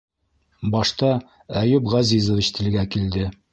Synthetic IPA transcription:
bɑʃt̪ɑ | æjʉpʁɑzizŏvit͡ɕt̪ʰɘ̆l̆ɡækild̪ɘ

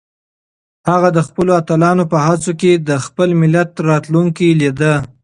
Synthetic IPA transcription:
haɣad̪əxpəloat̪əlɑnopəɦat͡soked̪əxpəlmɪlat̪ɾɑt̪luŋkilid̪ə

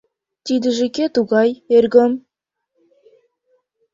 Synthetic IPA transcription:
t̪id̪ɘ̆ʒekʲet̪uɣɑjeɾɡʲɘm

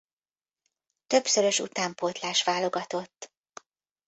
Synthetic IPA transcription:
t̪ø̞psøɾø̞ʃṵt̪aːmpot̪laːʃʋaːlo̞ɡɒt̪o̞t̪ː

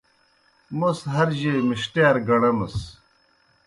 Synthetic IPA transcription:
musɦɐɾʑemiɕʈeːɾɡɐɽɐmɐs

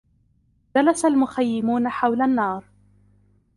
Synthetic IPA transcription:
d͡ʒalasalmʊxajːɪmuːnaħawlanːɑːɾˤ

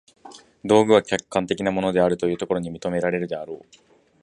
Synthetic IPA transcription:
d̪o̞ːɡɯ̟βakʲakːãnt̪e̞kʲinamo̞no̞d̪e̞aɾɯ̟t̪o̞jɯ̟ːt̪o̞ko̞ɾo̞ɲ̟imʲit̪o̞me̞ɾaɾe̞ɾɯ̟d̪eaɾo̞ː

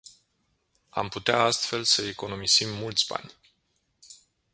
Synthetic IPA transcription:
a̰mput̪eaast̪fe̞lsəeko̞no̞misimːult̪sʲba̰nʲ

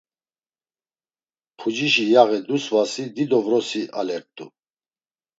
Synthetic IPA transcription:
pʰud͡ʒiʃijaɣɛd̪usvasid̪id̪ɔvɾɔsiʔa̰lɛɾt̪ʼṵ

